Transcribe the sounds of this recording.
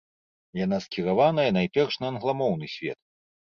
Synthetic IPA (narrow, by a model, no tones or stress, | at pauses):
janaskʲiɾavanɐjɐnajpʲɛrʂnɐːnɣlˠamɔwnɨsʲvʲɛ̰t̪̚